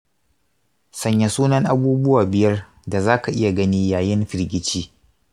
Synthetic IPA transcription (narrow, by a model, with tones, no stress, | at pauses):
sɐ˨ɲja˨suː˦nɐ˦ŋʔa˦buː˦bʊ˦waː˨bɪ˦jɐ˦r | da˨zaː˦ka˨ʔɪ˦ja˨ɡɐ˦niː˦jaː˨jɪ˦nɸɪ˨ɾɡʲɪ˦t͡ʃiː˦